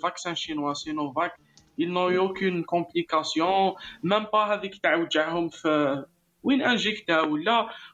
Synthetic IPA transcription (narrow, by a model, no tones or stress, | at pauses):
vaksɛ̃ʃinwasinovak | ilnɔ̃yokynkɔ̃plikasjɔ̃mæmpaɦæd̪ikt̪aʕwd̪aʕɦʊmf | winʔænʒikt̪æwəlːæ